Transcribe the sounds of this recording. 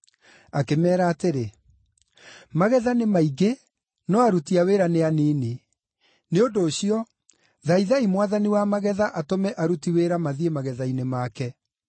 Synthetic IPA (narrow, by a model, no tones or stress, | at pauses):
akemɛːɾaːteɾe | maɣɛðanemaiɡe | nɔaɾutiaweːɾaneaneːne | neodoːɕiɔ | ðaiðaimwaðaniwamaɣɛðaʔatomɛʔaɾutiweɾamaðiemaɣɛðainemaːkɛ